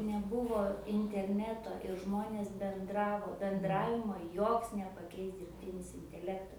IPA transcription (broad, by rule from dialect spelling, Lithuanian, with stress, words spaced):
nʲɛˈbʊʋoː ɪnʲtʲɛrʲˈnʲæːtoː ɪr ˈʒmoːnʲeːs bʲɛnˈdrɑːʋoː bʲɛnˈdrɑːʋʲɪmoː ˈjoːks nʲɛpɐˈkʲɛɪs dʲɪrʲpʲˈtʲɪnʲɪs ɪnʲtʲɛˈlʲæːktɐ